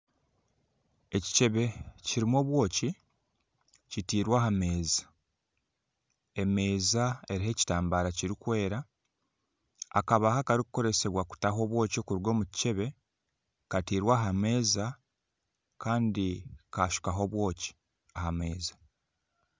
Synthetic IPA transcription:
e̞ci̥ce̞βe̞ciɾimoːβwo̞ːci | citiːɾwaːɦame̞ːzḁ | e̞me̞ːzae̞ɾiɦe̞ːci̥taːmbaɾaciɾikwe̞ːɾa | kaβahakaɾikuko̞ɾe̞se̞βwaku̥taɦo̞ːβwo̞ːciokuɾuɡo̞ːmucice̞βe̞ | katiːɾwaːɦame̞ːza | kaːndikaʃu̥kaɦo̞ːβwo̞ːci̥ | ahame̞ːzḁ

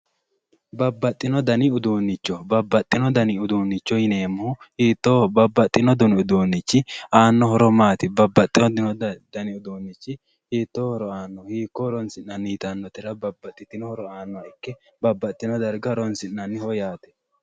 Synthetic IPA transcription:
bɐbːɐt̪ʼːɪnɔd̪ɐnɪʊd̪uːnːɪt͡ʃːɔbɐbːɐt̪ʼːɪnɔd̪ɐnɪʊd̪uːnːɪt͡ʃːɔjɪne̞ːmːʊhʊhiːt̪ːoːbɐbːɐt̪ʼːɪnɔd̪ʊnɪʊd̪uːnːɪt͡ʃːɪaːnːɔhɔɾɔmaːt̪ɪbɐbːɐt̪ʼːɪnɔd̪ɪnɔd̪ɐnɪʊd̪uːnːɪt͡ʃːɪ | hiːt̪ːoːhɔɾɔaːnːɔhiːkːɔhɔɾɔnsɪnːɐnːit̪ɐnːɔt̪ɪɾɐbɐbːɐt̪ʼːɪt̪ːɪnɔhɔɾɔaːnːɔɐɪkːɛ | bɐbːɐt̪ʼːɪnɔd̪ɐɾɡɐɾɔnsɪnːɐnːɪhɔjaːt̪ɛ̥

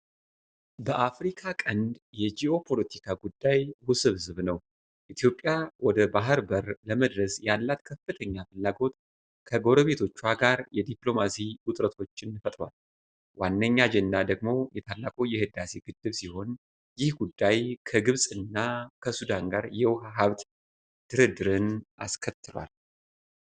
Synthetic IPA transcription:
bəʔafɾikʰakʼənd̪jɛd͡ʒio̞pʰo̞lət̪ʰikʰaɡud̪ːajwusɨβzɨβnəw | ʔit̪ʰijo̞pʼːjawɔd̪əbaɦɨɾbəɾləməd̪ɾəsjalːat̪kʰəfɨt̪ʰəɲːafɨlːaɡo̞t̪ | kʰəɡo̞ɾəβe̞t̪ʰo̞t͡ʃːuaɡaɾjɛd̪iplo̞masiʔʊt̪ʼɾət̪ʰo̞t͡ʃːɪnfət̪ʼɾwa̰l | wanːəɲːad͡ʒɛnd̪ad̪əɡmo̞jɛt̪ʰalːakʼo̞jɛhɨd̪ase̞ɡɨd̪ːɨβsiho̞n | jɪhɡud̪ːajkʰəɡɨβsʼɨnːakʰəsud̪anɡaɾjɛwɦaɦaβt̪ʼ | d̪̥ɨɾɨd̪ɨɾɨnʔa̰skʰət̪ʰːɨlwa̰l

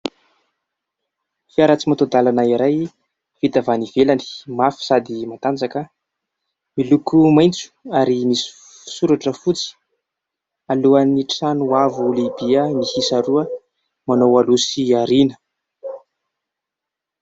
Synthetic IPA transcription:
fiaɾat͡simat̪od̪alanaiɾaj | v̥it̪avanivelani̥mafi̥sad̪imat̪and͡zakə | milukumajnt͡su̥aɾimisi̥ | fi̥suɾaʈ͡ʂəfut͡si̥ | aluaniʈ͡ʂanuavulibiəmisisaɾuə | manowalusiaɾinə̥

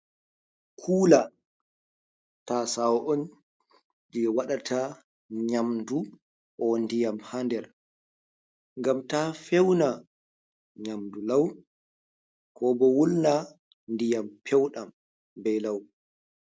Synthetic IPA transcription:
kʰuːla | tasawɔʔɔn | d͡ʒɛwaɗatʰa | ɲamdu | ʔɔndijamhandɛɾ | ŋɡamtafɛwna | ɲamdulaw | kʰɔbɔwulna | ndijampʰɛwɗam | bɛlaw

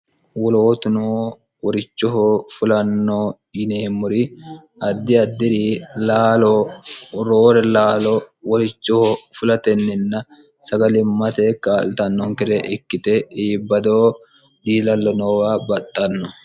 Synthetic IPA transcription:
wɔloːt̪ʊnoː | wɔɾɪt͡ʃːɔɦoːfʊlɐnːoː | jɪneːmːʊɾɪ | ɐd̪ːɪɐd̪ːɪɾiːlaːloɾoːɾɛlaːlowɔɾɪt͡ʃːɔhoːfʊlɐt̪ɛnːɪnːɐ | sɐɡɐlɪmːɐt̪eːkːaːlt̪ɐnːɔŋkɪɾɛʔɪkːɪt̪ɛʔiːbːɐd̪oː | d̪iːlɐlːɔnowaːbɐt̪ʼːɐnːɔ

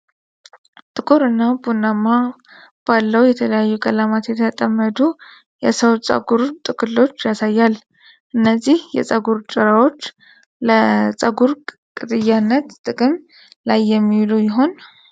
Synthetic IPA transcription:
t̪ʼɨkʰoɾɨnːabunːama | b̥alːəwjɛt̪ʰələjajːukʼəlamat̪jɛt̪ʰət̪ʼəmːəd̪u | jɛsəwt͡sʼə̰ɡuɾt̪ʼɨkɨlːo̞t͡ʃːjasajːal | ʔɨnːəzːihjɛ̰sʼəɡuɾt͡ʃʼɨɾawo̞t͡ʃː | ləsʼəɡuɾ | kʼɨt̪ʼɨjːanːət̪t̪ʼɨkʼɨm | lajːɛmːilujɪɦo̞n

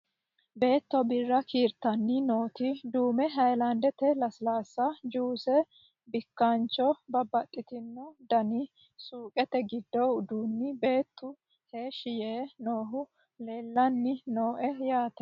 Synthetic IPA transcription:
be̞ːt̪ːɔbɪrːɐkiːɾt̪ɐnːɪno̞ːt̪ɪd̪uːmɛɦɐjlɐnd̪ɛt̪ɛlɐslaːsːɐd͡ʒuːsɛ | bɪkːant͡ʃːɔbɐbɐt̪ʼːɪt̪ɪnːʊd̪ɐni | suːkʼɛt̪ɛɡɪd̪ːɔʊd̪uːnːɪbe̞ːt̪ʰːʊ | heːʃɪjeːno̞ːɦʊ | le̞ːlːɐnːɪno̞ːʔɛjaːt̪ɛ̥

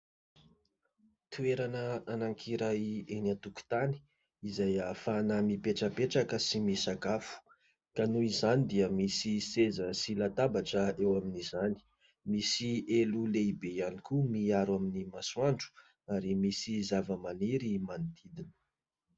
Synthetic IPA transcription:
t̪ueɾanəanaŋkʰiɾajeniat̪uku̥t̪ani̥ | izajafanəmipeʈ͡ʂəpeʈ͡ʂakəsimisaɡafu̥ | kanuizanid̪iəmisisezəsilat̪abaʈ͡ʂəewaminizani̥ | misieluleibejanikʰumiaɾwaminimaswaɳɖ͡ʐu̥ | aɾimisizavəmaniɾimand̪̥id̪inə̥

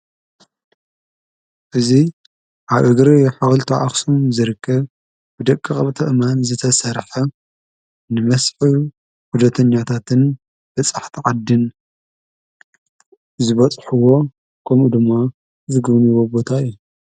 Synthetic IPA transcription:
ʔɨzi | ʔaβʔɨɡɾiħɨxɨlt̪ʰɐʕa̰xsumzɨɾɨkʰːɐβ | bɨd̪ɐkʼːɐχʼɐβt̪ʰɐʔɨmanzɨt̪ʰɐsɐɾħɐ | nɨmɐsħi | hud̪ɐt̪ʰɐɲːat̪ʰat̪ʰɨn | b̥ɐt͡sʼaħt̪ʰiʕad̪ːɨn | zɨβɐt͡sʼħuwo̞ | kʰɐmʔud̪ɨmːa | zɨɡɨβnɨwobo̞t̪ʰaɨjːu

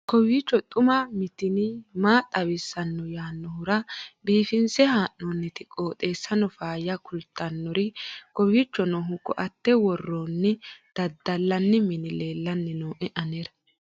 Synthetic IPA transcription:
kɔwit͡ʃːɔt̪ʼʊmɐmɪt̪ɪnɪmaːt̪ʼɐwɪsːɐnːɔjaːnːɔhʊɾɐbiːfɪnsɛhaːnːonːɪt̪ɪkʼoːt̪ʼeːsːɐnɔfaːjɐkʊlt̪ːɐnːɔɾɪkɔwit͡ʃːɔnɔɦʊkɔ̰ʔɐt̪ːɛwɔrːoːnːɪd̪̥ɐd̪ːɐlːɐnːɪmɪnɪle̞ːlːɐnːɪnoːʔɛʔɐneɾ

